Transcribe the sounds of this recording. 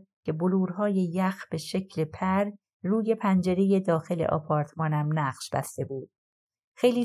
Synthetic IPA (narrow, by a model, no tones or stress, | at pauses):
cʰe̞boluːɾɦɒːje̞jæxb̥e̞ʃe̞cʰle̞pʰæɾ | ruːje̞pʰænd͡ʒe̞ɾe̞je̞d̪ɒːxe̞le̞̰ʔɒ̰ːpʰɒːɾt̪ʰmɒːnæmnæɢʃb̥æ̰st̪e̞buːd̪̥̚ | xejliː